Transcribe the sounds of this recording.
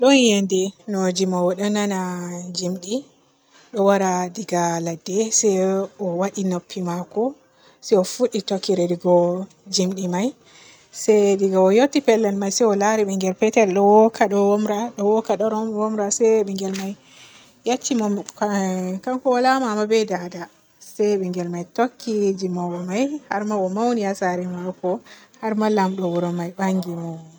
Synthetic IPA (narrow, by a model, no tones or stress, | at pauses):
ɗɔnjendɛnod͡ʒimɔwɔɗananad͡ʒimɗi | ɗɔwaɾadiɡaladːɛsɛjɔwaɗinopʰːimakɔ | sɛɔfuɗitokːiɾɛdiɡɔ | d͡ʒimɗimaj | sɛdiɡawɔjotːipɛlːɛnmajsɛjɔlaɾiɓɛŋɡɛlpɛtɛlɗɔwɔkʰaɗɔwɔmɾaɗɔwɔkaɗɔɾɔmwɔmɾasɛɓɛŋɡɛlmaj | jat͡ʃːimɔm | kamkɔwalamaamabɛdada | sɛɓɛŋɡɛlmajtokːid͡ʒimawɔmajhaɾmaɔmawniasaɾɛmawkɔhaɾmalamɗɔwɔɾɔmajbaŋɡimɔ